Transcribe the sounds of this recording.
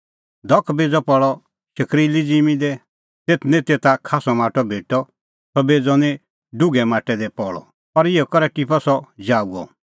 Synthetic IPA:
d̪ʱɔkʰbeːd͡zɔpɔɭɔ | ʃɐkʰɾiːlid͡zimĩd̪ɛ | t̪eːt̪ʰnĩt̪et̪akʰaːsɔmaːʈɔbʱeːʈɔ | sɔbeːd͡zɔnĩ | ɖʊɡɛmaːʈɛd̪ɛpɔɭɔ̰ | ɔɾɪɔkɔɾɛʈipɔsɔd͡ʒaːuɔ̰

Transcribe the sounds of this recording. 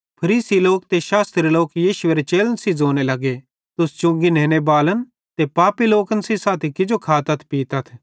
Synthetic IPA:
pʰɐɾiːsiloːk̚t̪eʃaːst̪ɾeloːkjiːʃʊeɾet͡ʃeːlənsid͡zoːnelɐɡe | t̪ʊst͡ʃʊ̃ŋɡinɛːnebaːlən | t̪epaːpiloːkənsisaːt̪ʰikɪd͡ʒokʰaːt̪ɐt̪ʰpiːt̪ɐt̪ʰ

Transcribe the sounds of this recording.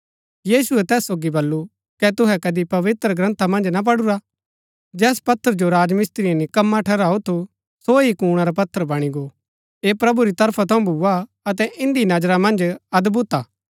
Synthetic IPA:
jiːsʊɛt̪ɛːsːoːɡibɐlːu | kɛt̪ʊɦɛkɐd̪ipɐʋɪt̪ɾəɡɾɐ̃nt̪ʰamɐ̃nd͡ʒnap̬ɐɽuɾa | d͡ʒɛːspɐt̪ʰːəɾd͡ʒoɾaːd͡ʒmɪst̪ɾiãnikɐmːaʈʰɛɾaːut̪ʰu | soɦikuːɽ̃aɾap̬ɐt̪ʰːəɾbɐɽ̃iɡo | eːpɾɐbuɾit̪ɐɾpʰat̪ʰɐ̃ũbʱua | ɐt̪ɛʔɪ̃nd̪inɐd͡ʒɾamɐ̃nd͡ʒɐd̪bʊt̪aː

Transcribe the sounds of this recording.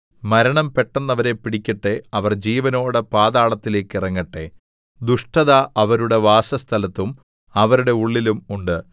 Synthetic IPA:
mɐɾɐɳɐmpe̞ʈːɐnːɐʋɐɾe̞piɽikʲːɐʈːe̞ɐʋɐrd͡ʑiːʋɐno̞ːɽepaːðaːɭɐt̪ːile̞ːkːirɐŋːɐʈːe̞̰ | d̪uʂʈɐðaʔɐʋɐɾuɽe̞ʋaːsɐst̪ʰɐlɐt̪ːum | ɐʋɐɾuɽe̞uɭːilumuɳɖɨ

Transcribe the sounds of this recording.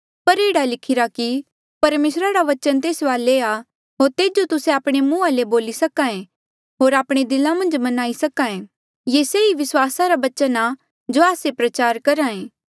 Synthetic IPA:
pɐɾeːɽalɪkʰɪɾaki | pɐɾmeːsɾaɾaʋɐt͡ʃənt̪eːsʋaːlea | ɦoːɾt̪eːd͡ʒot̪ʊsẽaːpɽ̃emũːaleboːlisɐkãːẽ | ɦoːɾaːpɽ̃ed̪ɪlãmɐ̃nd͡ʒmɐnaːisɐkãːẽ | jeːseːiʋɪswaːsaɾabɐt͡ʃəna | d͡ʒoaːsepɾɐt͡ʃaːɾkɐɾãːẽː

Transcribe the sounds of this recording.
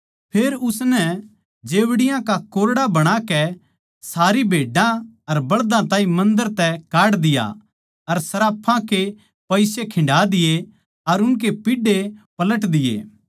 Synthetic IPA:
pʰeːɾʊsnɛ | d͡ʒeːʋɽɪjãkakoːɾɽabɐɽ̃akɛ | saːɾibʱeːɖãɐɾbɐɭd̪ãt̪ãːĩmɐ̃nd̪əɾt̪ɛkaːɽd̪ɪja̰ | ɐɾsɐɾaːpʰãke | pɐɪsekʰɪ̃ɳɖaːd̪ɪje | ɐɾʊnk̬epɪɖepɐləʈd̪ɪjḛː

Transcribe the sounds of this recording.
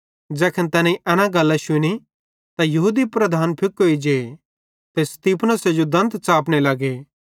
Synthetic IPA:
d͡ʒɛːkʰənt̪ɛːnãiʔɛːnãɡɐlːaʃʊni | t̪ajɐɦuːd̪ipɾɐd̪ʱaːnpʰɪkɦoid͡ʒeː | t̪est̪iːpʰnəsed͡ʒod̪ɐ̃nt̪t͡ʃaːpnelɐɡeː

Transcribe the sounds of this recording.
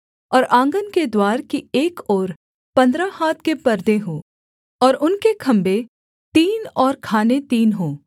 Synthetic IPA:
ɔːɾʔãːŋɡənked̪waːɾkieːkɔːɾ | pɐ̃nd̪ɾahaːt̪̚ʰkepɐɾd̪eɦoː | ɔːɾʊnkekʰɐ̃mbe | t̪iːnɔːɾkʰaːnet̪iːnɦoː

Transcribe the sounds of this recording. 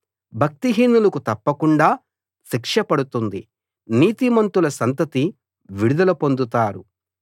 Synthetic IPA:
bʱɐk̚t̪iɦiːnːulɐkut̪ɐpːɐkuɳɖaː | sikʂɐpɐɽut̪und̪i | niːt̪imɐnt̪ulɐsɐnt̪ɐt̪i | ʋiɽud̪ɐlɐpo̞nd̪ut̪aːɾu

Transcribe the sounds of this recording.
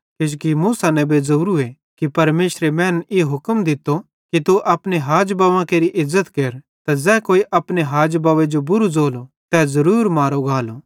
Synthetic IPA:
kɪd͡ʒkimuːsanɛ̃bed͡zuːɾue | kipɐɾmeːʃɾemɛ̃ːneɦʊkmd̪ɪt̪ːo | kit̪uʔɐpneɦaːd͡ʒbaːʋãkeːɾiʔɪzːət̪keːɾ | t̪azɛːkoːiʔɐpneɦaːd͡ʒbaːʋed͡ʒobʊɾud͡zoːlot̪ɛːzɐɾuːɾmaːɾoɡaːlo

